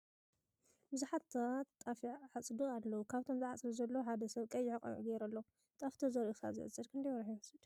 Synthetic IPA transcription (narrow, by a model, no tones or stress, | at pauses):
bɨzuħat̪ʰat̪ːʼafiʕat͡sʼd̪ɨalːɐwukʰaβt̪ʰo̞mzʕat͡sʼlɐzɐlːoħad̪ɐsɐβkʼɐjːɪʕɨkʼɐ̰nʔuɡɛɾɐlːɐ | t̪ʼaft̪ʰozɐɾʔuxa̰zɨ̰ʕɨt͡sʼɨdkʰɨnd̪ɐjwɾħiɨsɨd̪